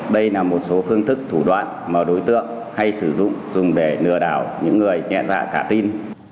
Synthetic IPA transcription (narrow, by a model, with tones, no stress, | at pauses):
ɗə˧jlaː˨˩mo˨˩t̚so˨˦fɨ˧əŋt̪ʰɨ˦˥k̚t̪ʰu˧˩ɗwa̰ː˧˨nmaː˨˩ɗo˨˦jt̪ɨ̰˧˨əŋ | ha˧jsɨ˧˩zʊ̰˧˨ŋ͡mzʊ˨˩ŋ͡mɗe˧˩nɨ̰˧˩əɗaː˧˩wɲɨ̰˧˥ŋːɨ˨˩əjŋɛ̰˧˨nza̰ː˧˨kaː˧˩t̪i˧n